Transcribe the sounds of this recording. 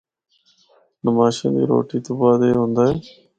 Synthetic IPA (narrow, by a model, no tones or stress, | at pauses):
nəmaːʃḛ̃ːnd̪ḭːɾo̰ːʈiːt̪oːbaːd̪eːɦõːnd̪aːɦeː